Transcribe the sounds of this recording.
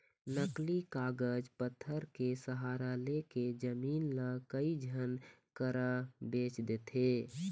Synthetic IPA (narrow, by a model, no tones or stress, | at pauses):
nəklikaːɡəd͡ʒpət̪ʰːəɾkesəɦaːɾaleked͡ʒəmiːnləkəid͡ʒʱənkəɾəbeːt͡ʃd̪eːt̪ʰe